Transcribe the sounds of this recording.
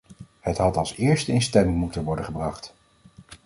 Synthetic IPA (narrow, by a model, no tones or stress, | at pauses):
hətɦɑtɑlˠsɪːɹstəɪnstɛmɪŋmutənʋɔɹdəχəbrɑχt